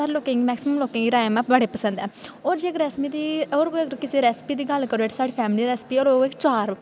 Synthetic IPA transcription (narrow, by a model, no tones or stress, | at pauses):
əɾloːkẽːŋɡiːmɛːksɪməmloːkẽːɡiːɾaːmɛ̃bəɽeːpəsə̃nd̪ɛːoːɾd͡ʒiekɾɛːsmiːd̪iːoːɾkɪseːɾɛːspiːd̪iːɡəlkəɾoːɪʈʰsaːɽiːpʰɛːmɪliːɾɛːsɪ̥piːoːɾoːɪkt͡ʃaːɾ